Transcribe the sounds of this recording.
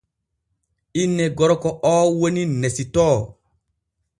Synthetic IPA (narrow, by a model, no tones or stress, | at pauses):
inːeɡɔɾɔkɔɔːwoninːesitɔː